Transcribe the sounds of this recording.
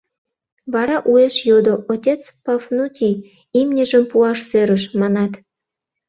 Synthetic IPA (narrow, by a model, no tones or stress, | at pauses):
βɑɾɑʔueʃjod̪oʔotʲet͡s | pɑfnutʲi | imnʲəʒəmpuɑʃsøɾəʃmɑnɑt̪